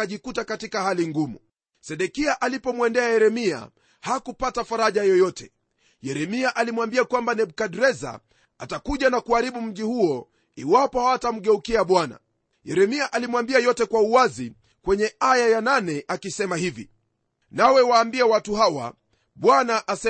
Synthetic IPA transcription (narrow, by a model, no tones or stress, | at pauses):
aʄikutakatikahaliŋɡumu | sɛɗɛkiaʔalipɔmwɛndɛajɛɾɛmia̰ | hakupatafaɾaʄajɔjɔtʰɛ̥ | jɛɾɛmiaʔalimwambiakwambanɛɓ̚kaɗɾɛza̰ | atakuʄanakuaɾiɓum̩ʄihuɔ | iwapɔhaatam̩ɠɛukiaɓwana̰ | jɛɾɛmiaʔalimwambiajɔtɛkwauwazi | kwɛɲɛajajananɛʔakisɛmaɦivḭ | nawɛwaːmbiawatuɦawa̰ | ɓwanaʔasɛ